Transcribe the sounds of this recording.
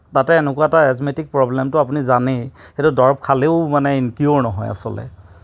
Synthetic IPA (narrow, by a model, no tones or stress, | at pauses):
tatɛːnɛkuwataɛsmetik̚pɹɔblɛmtʊapunizanixetudɔɹb̚kʰaleʊmanɛinkiɔɹnɔɦɔ̰ja̰sɔ̰lɛ̰